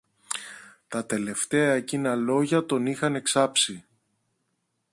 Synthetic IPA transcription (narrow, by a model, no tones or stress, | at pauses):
t̪ɐt̪e̞le̞ft̪e̞ɐcinɐlo̞ʝɐt̪o̞nixɐne̞ksɐpsi